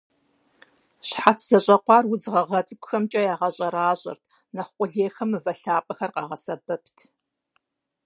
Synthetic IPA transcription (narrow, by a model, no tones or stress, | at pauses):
ɕħatʰz̥ɐɕʼɐqʷɑːrwʊzʁɐʁɐt͡sʼɨkʷʊxɐmt͡ʃʼɐjaːʁɐɕʼɐɾaːɕʼɐ̰rtʰ | nɐχqʷʼʊɮeːxɐmɨvɐɬaːpʼɐxɐrqɑ̰ːʁɐsɐbɐptʰ